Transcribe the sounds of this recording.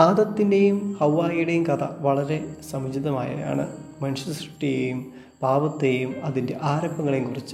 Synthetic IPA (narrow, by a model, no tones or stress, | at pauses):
aːd̪ɐt̪ːinde̞jumhɐwːaːjuɽe̞jumkɐt̪ʰɐʋɐɭɐɾe̞sɐmɐd͡ʑiðɐma̰ːjɐ̰ja̰ːɳɨ̰mɐniʂɐsi̥ʈːijejum | paːʋɐt̪ːejumɐðinde̞ʔaːɾɐbːɐŋːɐɭejumkurit͡ɕːɨ̥